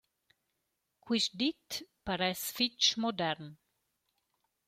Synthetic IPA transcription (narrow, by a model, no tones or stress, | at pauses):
kwiʃd̪it̪paɾɛsfit͡ʃmod̪ɛɾn